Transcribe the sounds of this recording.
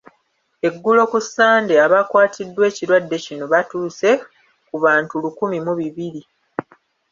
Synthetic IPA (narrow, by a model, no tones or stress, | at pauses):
e̞ɡːulo̞kusːaːndeaβakwaːtʰidːwe̞ːciɾwadːe̞cino̞βatuːse̞ | kuβaːntulukumimuβiβili